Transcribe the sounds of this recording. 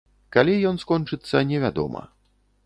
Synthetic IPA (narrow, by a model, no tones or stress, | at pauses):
kalʲijɔnskɔnt͡ʂɨt̪sːɐnʲɛvʲad̪ɔ̰mɐ̰